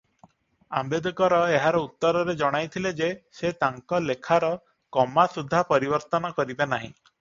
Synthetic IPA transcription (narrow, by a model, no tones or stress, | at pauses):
a̰mbed̪ɔkɔɾɔeɦaɾɔut̪ːɔɾɔɾed͡ʒɔɽ̃ajt̪ʰiled͡ʒeset̪aŋkɔlekʰaɾɔ | kɔmasud̪ʱːapɔɾibɔɾt̪ɔnɔkɔɾibenaɦḭ̃